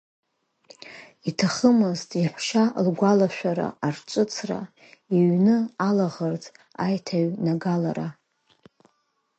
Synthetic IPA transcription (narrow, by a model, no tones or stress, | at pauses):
itʰaχəmɨztʼiħʷʃalɡʷalaʃᶣaɾa̰art͡ʃʷʼɨt͡sʰra̰ | iɥnɨalaʁərt͡sʼ | ajtʰaɥnaɡala̰ɾa